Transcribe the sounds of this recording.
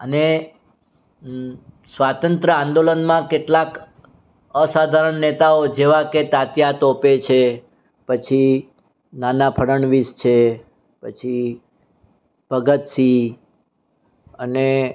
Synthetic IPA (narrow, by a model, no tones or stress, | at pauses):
əne | sʋat̪ənt̪ɾəãnd̪olənmãkeʈlak | əsad̪ʱaɾəɳːet̪aod͡ʒeʋaket̪at̪jat̪opet͡ʃʰe | pət͡ʃʰi | nanapʰəɾəɳʋist͡ʃʰe | pət͡ʃʰi | bʱəɡət̪si | əne